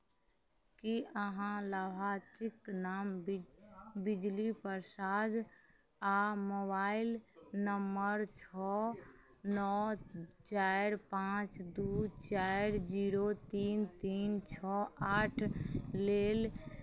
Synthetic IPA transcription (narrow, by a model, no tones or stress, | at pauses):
kiəɦãləbʱaːt̪ɪknaːm | bɪd͡ʒlipəɾsaːd̪ | amoːbaːɪlnəmbəɾt͡ʃʰɔ | nɔːt͡ʃaːɾpãːt͡ʃd̪ut͡ʃaːɪɾd͡ʒiːɾot̪iːnt̪iːnt͡ʃʰɔaːʈʰleːl